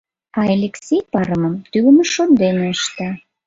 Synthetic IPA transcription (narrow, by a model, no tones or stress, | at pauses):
ɑelʲeksʲejpɑɾəməmt̪ylməʃond̪eneəʃt̪ɑ